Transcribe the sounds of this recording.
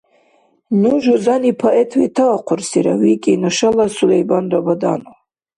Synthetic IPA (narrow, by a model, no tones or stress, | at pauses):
nuʒuzanipʰaʔɛt̪ʰwit̪ʰaaqʰʷʊrsiɾa̰wikʼinɨʃalasulɛjbanrabad̪anu